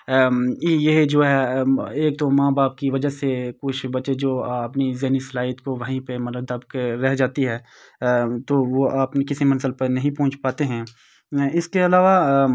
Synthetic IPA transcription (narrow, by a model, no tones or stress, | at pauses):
jeɦd͡ʒoːɦɛeːk̚t̪omãːbaːp̚kiʋɐd͡ʒəɦsekʊt͡ʃʰbɐt͡ʃed͡ʒoːɐpnizeːnislaːɪt̪koʋɐɦĩpemɐt̪ləbd̪ɐbkeɾɛɦd͡ʒaːt̪iɦɛː | t̪oʋoʔaːpnekɪsimɐ̃nzəlpenɐɦĩpɔ̃ːnt͡ʃʰpaːt̪eɦɛ̃ː | ɪskeɐlaːʋa